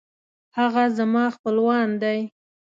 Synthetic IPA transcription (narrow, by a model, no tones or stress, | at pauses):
haɣazamɑxpəlwɑnd̪aj